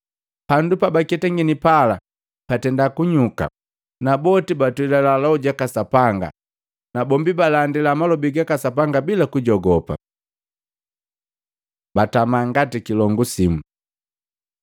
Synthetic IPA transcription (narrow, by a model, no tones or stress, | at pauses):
pandupabakɛtaŋɡinipala | patɛndakuɲuka̰ | nabɔtibatuilalalauɟakasapaŋɡa̰ | nabɔmbibalandilamalɔbiɡakasapaŋɡabilakuɟɔɡɔpa̰ | batamaŋɡatikilɔŋɡusimu